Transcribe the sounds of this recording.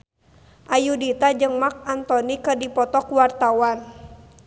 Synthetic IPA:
ʔajudit̪ad͡ʒɨŋmak̚ant̪ɔnikɨrdipɔt̪ɔkuwart̪awan

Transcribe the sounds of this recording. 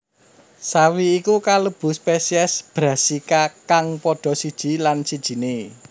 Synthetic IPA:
sawiːkukaləb̥ṳspesiɛsb̥ɾa̤sikakaŋpɔɖ̥ɔ̤sid̥ʒ̥i̤lansid̥ʒ̥i̤ne

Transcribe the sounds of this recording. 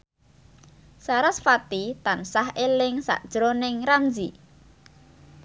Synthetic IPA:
saɾasfat̪it̪ansahʔelɪŋsa̰ʔd̥ʒ̥əɾonɪŋɾamd͡ʒi

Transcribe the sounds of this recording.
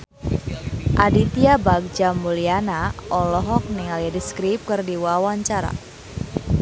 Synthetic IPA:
ʔadit̪iabak̚d͡ʒamulianaʔɔlɔɦɔk̚niŋalijadiskɾip̚kɨrdiwawaɲt͡ʃaɾa̰

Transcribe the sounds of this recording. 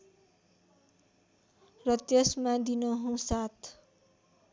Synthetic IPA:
rʌt̪jesmad̪inʌɦũsat̪ʰ

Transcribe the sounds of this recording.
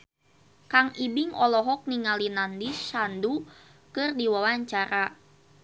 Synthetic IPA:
kaŋibiŋɔlɔɦɔk̚niŋalinandisandu | kɨrdiwawaɲt͡ʃaɾa

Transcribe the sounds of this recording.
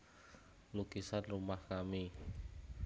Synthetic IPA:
luɡ̥isanrumahkami

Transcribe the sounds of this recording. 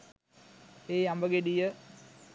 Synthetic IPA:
eːjambəɡeɖijə

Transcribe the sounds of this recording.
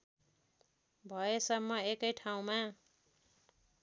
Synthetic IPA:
bʱʌesʌmːʌekʌjʈʰaw̃ma

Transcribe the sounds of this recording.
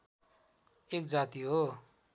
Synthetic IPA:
ekd͡zat̪iɦo

